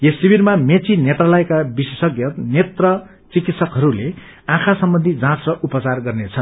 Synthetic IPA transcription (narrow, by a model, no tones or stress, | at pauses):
jesibiɾmamet͡sinet̪ralʌjkabisesʌɡjʌt̪net̪rʌ | t͡sikit̪sʰʌkɦʌɾule | ãkʰasʌmbʌnd̪ʱid͡zãsrʌʔupʌt͡sarɡʌrnet͡sʰʌn